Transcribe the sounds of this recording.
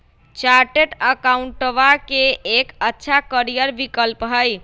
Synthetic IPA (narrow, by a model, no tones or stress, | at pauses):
t͡ʃaɾʈeʈəkauɳʈəʋakeekətːʃʰakəɾijəɾbikəlpɦəj